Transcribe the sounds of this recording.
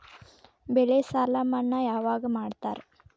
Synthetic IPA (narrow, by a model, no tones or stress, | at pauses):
bɛɭesaːlamɐnːɐjaːʋaːɡɐmaːɖt̪a̰ːɾe